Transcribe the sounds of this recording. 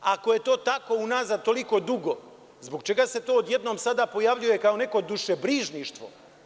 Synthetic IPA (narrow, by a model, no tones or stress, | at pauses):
ako̞je̞t̪o̞ːt̪ako̞unazad̪̚t̪o̞liko̞d̪uɡo | zboɡt͡ʃe̞ɡase̞t̪o̞ːd̪je̞d̪no̞ːmsad̪apo̞jaʋʎuje̞kao̞ne̞ko̞d̪uʃebɾiːʒniːʃt̪ʋo̞̰